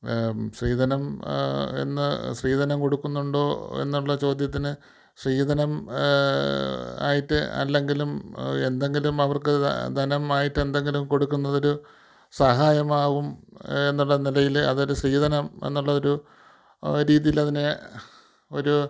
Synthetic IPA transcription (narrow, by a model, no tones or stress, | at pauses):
ɕriːd̪ʱɐnɐm | e̞̰nːɨsriːd̪ʱɐnɐmko̞ɽukːunːuɳɖo̞ːe̞̰nːuɭːɐt͡ɕo̞ːd̪ʱjɐt̪ːinɨ | sriːd̪ʱɐnɐm | a̰ːjiʈːɨɐ̰lːe̞ŋɡilume̞nd̪e̞ŋɡilumɐʋɐrkɨd̪ʱɐnɐmaːjiʈːe̞nd̪e̞ŋɡilumko̞ɽukːunːɐðo̞ɾu | sɐɦaːjɐmaːɣume̞nːuɭːɐnilɐjilɐ̰ðoɾusriːd̪ʱɐnɐme̞̰nːuɭːɐðo̞ɾu | ɾiːðijilɐðine | o̞ɾu